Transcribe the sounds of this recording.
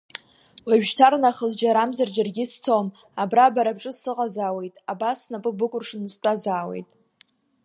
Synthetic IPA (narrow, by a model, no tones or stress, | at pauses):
waɥᶣʒtʰaɾnaχəzd͡ʒaɾamzard͡ʒarɡʲɪst͡sʰom | abrabaɾabʈ͡ʂʼɨsɨqʼazaːwe̞jtʼabasnapʼɨbɨkʷʼʊrʂɨnst͡pʷʼazaːwe̞̰jtʼ